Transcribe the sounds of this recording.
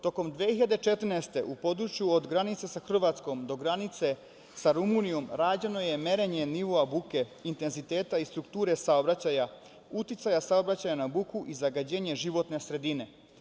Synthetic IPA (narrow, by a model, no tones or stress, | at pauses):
t̪o̞ko̞md̪ʋehiʎad̪e̞t͡ʃet̪rnest̪e̞̰ʔupo̞d̪ɾut͡ʃjuod̪ɡɾanit̪se̞saxr̩ʋat̪sko̞md̪o̞ɡɾanit̪se̞ | saɾumunijomɾaːd͡ʑe̞no̞je̞me̞ɾe̞ɲe̞niʋo̞abuke̞int̪e̞nzit̪e̞ːt̪aist̪ɾukt̪uːɾe̞saobɾat͡ɕaja | ut̪it̪sajasao̞bɾat͡ɕajanabukuʔizaɡad͡ʑe̞ːɲe̞ʒiʋo̞t̪ne̞sɾe̞d̪ine̞